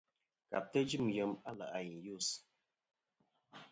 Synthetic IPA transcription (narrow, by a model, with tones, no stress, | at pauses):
ka̰˨p̚tə˦d͡ʒi˦˨m˨jə˨˦ma˦la˨ʔa˨ji˨ju˦˨s